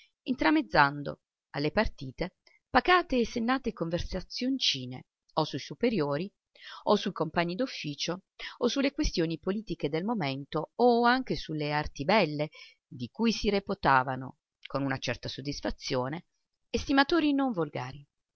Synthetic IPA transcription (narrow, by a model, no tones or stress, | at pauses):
int̪ɾamed̪zːand̪o̰ | a̰lːepart̪iːt̪e | paɡaːt̪eːsːenːaːt̪ekoɱversat̪sːjont͡ʃiːnḛ | osujsupeɾjoːɾi | osujkompaɲːid̪ufːiːt͡ʃoosulːekwest̪joːnipoliːt̪iked̪elmoment̪ooaŋk̟esuleart̪ibɛlːe | d̪ikuːjsiɾepot̪aːvano̰ | konunat͡ʃɛrt̪asod̪ːisfat̪sːjoːne | est̪imat̪oːɾinoɱvolɡa̰ːɾi